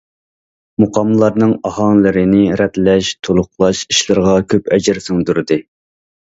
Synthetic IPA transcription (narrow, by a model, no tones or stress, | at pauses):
moqʰɑmlˠɑɾnɨŋɑhɑŋlˠɨɾɪnɪɾɛt̪lɛʃt̪ʰolˠʊχlˠɑʃiʃlˠɨɾʁɑkʲʰøpɛd͡ʒɪɾsuŋd̪uɾɨd̪ɨ